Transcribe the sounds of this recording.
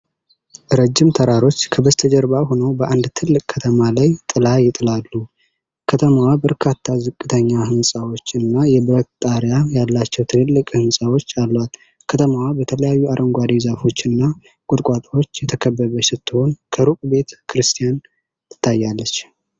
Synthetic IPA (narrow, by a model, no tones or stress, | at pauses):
ʔɾəd͡ʒːɪmt̪ʰəɾaɾo̞t͡ʃːkʰəbəst̪ʰəd͡ʒəɾbaho̞nowbəʔand̪t̪ʰɨlːɨkʼkʰːət̪ʰəmalajt̪ʼɨlajɪt̪ʼɨlalːu | kʰət̪ʰəmawabəɾkʰat̪ʰːazɨkʼːɨt̪ʰəɲːaɦɨnsʼawo̞t͡ʃːɨnːajɛbɾət̪ʼːaɾjajalːat͡ʃːɛwt̪ʰɨlɨlːɨkʼhɨnsʼawo̞t͡ʃːalːwal | kʰət̪ʰəmawabət̪ʰələjajːuaɾʔəŋɡʷaɾizafo̞t͡ʃːɨnːa | kʼʊt̪ʼkʼat̪ʼwo̞t͡ʃːjɛt̪ʰəkʰəβːəβəsɨt̪ːɨho̞nkʰəɾukʼbe̞t̪kʰɨɾɨst̪ʰijan | ɨ̥t̪ʰːajːalːət͡ʃː